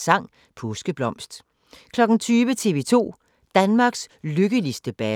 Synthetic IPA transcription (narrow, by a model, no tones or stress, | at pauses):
sɑ̈ŋ̰ | pʰɔsɡ̥əb̥lɒ̽m̰sd̥ | kʰlɒ̽ɡ̥n̩t͡sʰyːʋət͡sʰe̝ʋe̝ːt͡sʰo̝̰ː | d̥ænmɑ̈ɡ̥sløɡ̥əlisd̥əb̥ɛ